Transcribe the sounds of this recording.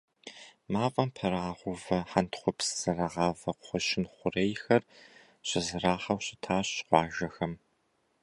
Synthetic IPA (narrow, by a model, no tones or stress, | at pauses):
maːfʼɐmpʰɐɾaːʁʷʊvɐħantʰχʷʊpsɨ̥z̥ɐrɐʁɑːvɐqʷʊχʷʊʃɪnχʷʊrejxɐr | ɕɪzɨraːχɐwɕɪtʰaːɕqʷɑːʒɐxɐm